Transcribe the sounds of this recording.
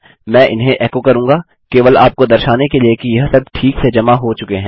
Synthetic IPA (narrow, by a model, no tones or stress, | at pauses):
mɛ̃ːʔɪnɦẽʔɛːkokɐɾũːŋɡaː | keːʋəlaːp̚kod̪ɐɾʃaːnekeliekijɐɦsɐb̚ʈʰiːksed͡ʒɐmaɦot͡ʃʊkeɦɛ̃ː